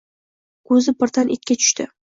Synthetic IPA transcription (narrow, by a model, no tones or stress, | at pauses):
kʰɵzɪpɪɾt̪anʔet̪̚kʲat̪ʰʊ̥ʃt̪ɪ